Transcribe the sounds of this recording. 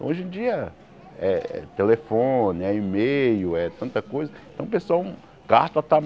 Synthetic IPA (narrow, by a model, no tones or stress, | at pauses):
oʒẽd͡ʒiɐ | ɛɛ̰t̪elefõnɪɛimejʊɛt̪ɐ̃nt̪ɐkojzɐẽt̪ɐ̃w̃pesuaw | kaɾt̪ɐt̪a